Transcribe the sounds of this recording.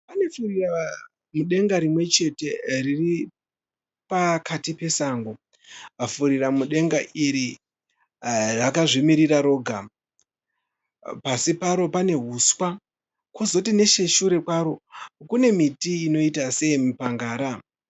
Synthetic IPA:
pane̞furira | muɗe̞ŋɡaɾimwe̞t͡ʃe̞te̞riri | pakatipe̞saːŋɡo | afuɾiramuɗe̞ŋɡaʔiɾi | rakaʐimiɾiraɾo̞ːɡʱa | pasipaɾo̞pane̞ɦuswa | kwozotine̞ʃe̞ʃuɾe̞kwaɾo̞kune̞mitiːno̞itase̞imupaŋɡaːɾa

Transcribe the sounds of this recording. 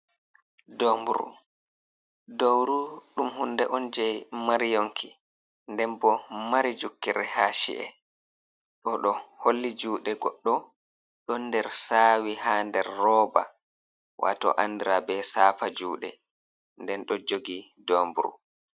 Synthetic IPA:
dɔmbuɾṵ | dowɾuɗumhundɛʔɔnd͡ʒɛjmaɾijoŋkʰi | ndɛnbɔmaɾid͡ʒukːiɾɛhaʃḭʔɛ̰ | ɗɔɗɔholːid͡ʒuːɗɛɡɔɗːɔ | ɗɔndɛɾsaːwihandɛɾːɔːba̰ | wa̰tɔ̰ʔandiɾabɛsaːfad͡ʒuːɗɛ̰ | ndɛnɗɔd͡ʒoɡidɔːmbuɾṵ

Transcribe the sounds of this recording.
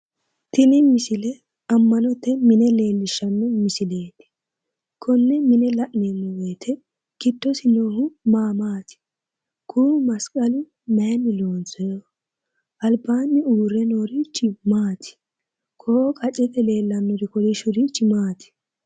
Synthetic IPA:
t̪ɪnɪmɪsɪlɛ | ɐmːɐnɔt̪ːɛmɪnɛle̞ːlːɪʃːɐnːɔmɪsɪle̞ːt̪ɪ̥ | kʰɔnːɛmɪnɛlɐʔneːnːɔwejt̪ʰɛ | kɪt̪ːɔsɪnoːhʊmaːmaːt̪ɪ̥ | kʰuːmɐskʼɐlʊ | menːɪloːnt͡sɔjo | ʔɐlbaːnːɪuːɾɛnoːɾɪt͡ʃːɪmaːt̪ʰɪ̥ | kʰɔkʰʼɐt͡ʃʼːɛt̪ʼɛle̞ːlːɐnːɔɾɪkɔlɪʃʊɾit͡ʃːɪmaːt̪ɪ̥

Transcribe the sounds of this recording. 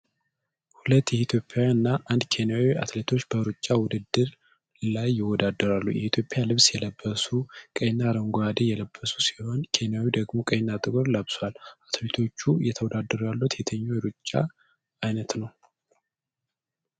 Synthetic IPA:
hulət̪ːjɛit̪ʰjo̞pʼːjawjnːaʔand̪kʰe̞nijawiʔa̰t̪let̪ʰo̞t͡ʃːbəɾut͡ʃʼːawʊd̪ɨd̪ːɨɾ | lajːɪwɔd̪ad̪ːəɾalːṵjɛhit̪ʰjopʼɪjalɨβsjɛləbːəsukʼəjnːaɾəŋɡoad̪ejɛləbːəsu̥si̥ho̞nkʰe̞nijawid̪əɡmo̞kʼəjnːat̪ʼɨkʼoɾləbswalʔat̪ʰlit̪ʰo̞t͡ʃːujɛt̪ʰəwɔd̪ad̪ːəɾjalːut̪ʰet̪ʰəɲːojɾut͡ʃʼːa̰ː | jnət̪nəw

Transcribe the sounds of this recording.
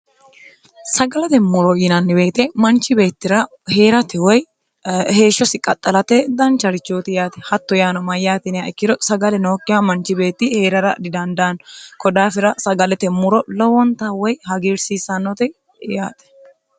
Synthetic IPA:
sɐɡɐlɛt̪ɛmːʊɾɔiːnɐnːɪbe̞ːt̪ɛmɐnt͡ʃːɪbe̞ːt̪ːɪɾɐ | he̞ːɾɐt̪ɛwɔj | he̞ːʃːɔsɪkʼɐt̪ʼːɐlɐt̪ɛd̪ɐnt͡ʃːɐɾɪt͡ʃːoːt̪ɪjaːt̪ɛ̥hɐt̪ːɔjaːnɔmɐjːaːt̪ɪnɪjaɪkːɪd̪ɔsɐɡɐlɛno̞ːkʼːɪjamɐnt͡ʃːɪbe̞ːt̪ːɪhe̞ːɾɐɾɐ̰d̪ɪd̪ɐnd̪ankɔd̪aːfɪɾɐsɐɡɐlɛt̪ɛmʊɾɔlɔwɔnt̪awɔjhɐɡiːɾsiːsɐnːɔt̪ɛ | ja̰ːt̪ɛ̥

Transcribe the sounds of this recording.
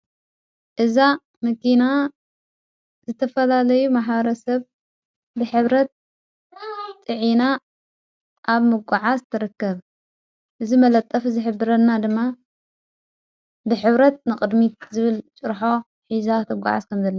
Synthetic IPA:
ʔɨza | mɐkina | zɨt̪ʰɐfɐlalɐjumaħβɐɾɐsɐβ | bɨħɨβɾɐt̪̚ | ɨʕina | ʔaβmɨɡʷaʕazt̪ʰɨɾɨkːɐβ | ʔɨzimɐlɐt̪ʼːɐfɨzɨħɨbɨɾɐnːad̪ɨmːa | bɨħɨβɾɐt̪̚nɨkʼɨd̪mit̪zɨβɨlt͡ʃʼɨɾħo̞ | ħizat̪ʰɨɡʷa̰ʕa̰zkʰɐmzɐlːɐ

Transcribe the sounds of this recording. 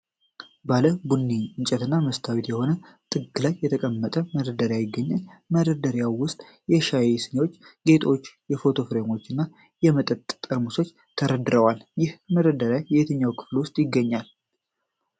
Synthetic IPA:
baləbunːiɨɲt͡ʃʼɛt̪ɨnːaməst̪ʰawit̪jɛho̞nə | t̪ʼɨɡɨlajːɛt̪ʰəkʼəmːət̪ʼəməɾəd̪əɾjajɪɡːəɲːalməɾəd̪əɾjawwʊst̪ʼ | jɛʃajesɨnewot͡ʃːɡe̞t̪ʰo̞t͡ʃːjɛfo̞t̪ʰo̞fɾe̞mo̞t͡ʃːɨnːa | jɛmət̪ʼət̪ʼt̪ʼːɨɾmuso̞t͡ʃː | t̪ʰəɾəd̪ɾəwaljɪhməɾəd̪əɾjajɛhet̪ʰəɲːawkʰɨ̥flwʊst̪ʼjɪɡːəɲːal

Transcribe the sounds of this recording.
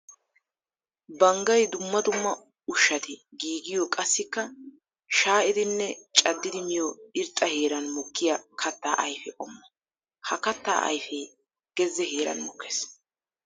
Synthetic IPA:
bɐŋɡɐjd̪ʊmːɐd̪ʊmːɐ | ʊʃːɐt̪ɪɡiːɡɪjɔkʼɐsːɪkːɐ | ʃaːʔɪd̪ɪnːɛt͡ʃʼɐd̪ːɪd̪ɪmɪjɔɪɾt̪ʼːɐheːɾɐnmɔkːɪjɐkʰɐt̪ːa̰ːʔɐjfɛʔʼɔmːɐ̥ | hɐkɐt̪ːa̰ːʔɐ̰jfɛː | ɡ̥ɛzːɛheːɾɐ̰nmɔkʰːeːs

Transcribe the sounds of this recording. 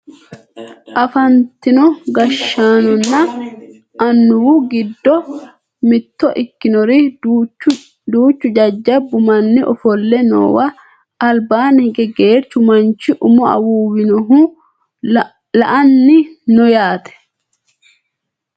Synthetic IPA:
ʔɐfɐnt̪ɪnɔɡɐʃːaːnɔnːɐ | ɐnːʊwuɡɪd̪ːɔ | mɪt̪ːɔʔɪkːɪnɔɾɪ | d̪uːt͡ʃːʊd͡ʒɐd͡ʒːɐbːʊmɐnːɪʔɔ̰fɔlːɛno̰ːwɐː | lbaːnɡɛɡeːɾt͡ʃːʊmɐnt͡ʃɪʔʊmɔɐ̰wuːwɪnɔɦu | lɐʔɐnːɪnɔjaːt̪ʰɛ̥

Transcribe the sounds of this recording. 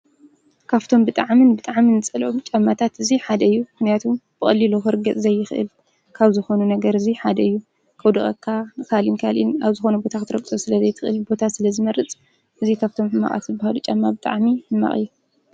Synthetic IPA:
kʰaβt̪ʰo̞mbɨt̪ʼaʕmɨnbɨt̪ʼaʕminɨt͡sʼɐlʔumt͡ʃʼamːat̪ʰat̪ɨziħad̪ɐɨjːumɨxnijat̪ʰumb̥ɨxʼɐlːiluxɨɾɡɐt͡sʼzɐjːɪxɨʔɨ̰l | kʰaβzɨxo̞nunɐɡɐɾɨziħad̪ɐɨjːu | kʰɐwd̪ɨxʼɐkʰːaɨkʰalinkʰalḭnaβzɨxo̞nɐbo̞t̪ʰakɨt̪ʰɨɾɐkʼsʼosɨlɐzɐjt̪ʰɨ̥xɨlbo̞t̪ʰasɨlɐzɨmɐɾɨt͡sʼ | ʔɨzikʰaβt̪ʰo̞mħɨma̰ʔʼa̰t̪zɨbahalut͡ʃʼamːabɨt̪ʼa̰ʕmiɨmːa̰χʼɨjːu

